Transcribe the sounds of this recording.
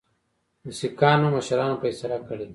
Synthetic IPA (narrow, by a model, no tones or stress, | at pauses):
mʊsikɑːnoməʃɾɑːnopəisaɾakəɽe